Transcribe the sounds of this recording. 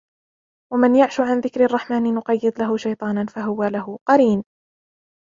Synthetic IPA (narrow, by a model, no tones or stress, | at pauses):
wamanjaʕʃʊʕanðɪkɾɑrˤːɑħmaːnɪnʊqɑjːɨd̪ˤlaɦʊʃajt̪ˤɑːnanfaɦʊwalaɦʊqɑɾiːn